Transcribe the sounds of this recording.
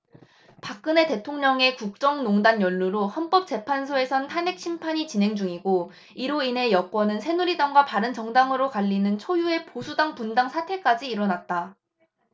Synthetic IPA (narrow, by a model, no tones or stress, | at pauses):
pak̚k͈ɯne̞te̞tʰoŋɲʌŋe̞kuk̚t͡ɕ͈ʌŋnoŋdanjʌɭːuɾohʌnp͈ʌp̚t͡ɕ͈e̞pʰansʰoe̞sʰʌntʰane̞k̚ɕ͈ʰimpʰaɲit͡ɕinɦe̞ŋd͡ʑuŋiɡo | iɾoine̞jʌk͈wʌnɯnsʰe̞nuɾidaŋɡwapaɾɯnt͡ɕʌŋdaŋɯɾokaʎːinɯnt͡ɕʰojue̞posʰudaŋpundaŋsʰatʰe̞k͈ad͡ʑiːɾʌnat̚t͈a